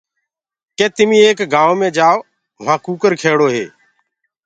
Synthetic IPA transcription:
kẽːt̪ɪmĩːeːkɡãːʋoːmẽːd͡ʒaːʋ | ʋ̤ãːkuːkəɾkʰeːɽoːɦeː

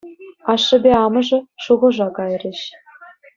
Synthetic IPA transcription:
ɑʂːɘ̆bʲeɑmɤ̆ʐɤ̆ʂuʁɤ̆ʐɑkɑjrʲɘ̆ɕ

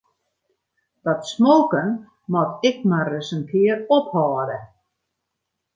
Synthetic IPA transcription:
d̥ɔtsmoːkən | mɔtɪk̚marəsənkʰɪərɔphɔːdə

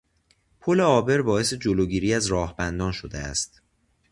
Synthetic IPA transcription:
pʰole̞ɒːbe̞ɾbɒːesed͡ʒoloːɟiːɾiːæzɾɒːhbænd̪ɒːnʃod̪ḛæ̰st̪

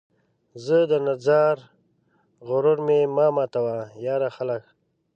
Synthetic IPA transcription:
zəd̪ənazɑɾ | ɣʊɾʊɾmemɑmɑt̪awajɑːɾaxalək

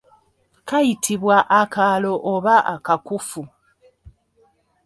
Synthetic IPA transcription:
kajitʰiβwaʔːkalo̞ʔːβaʔakakufu

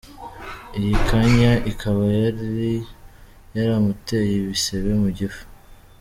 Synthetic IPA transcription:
ijikʰaɲaʔikʰaβajaɾi | jaɾamutejiβiseβe̞muɟifu̥

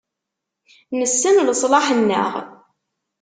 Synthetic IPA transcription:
nəsːənləsˤlɑħənːə̰ʁ

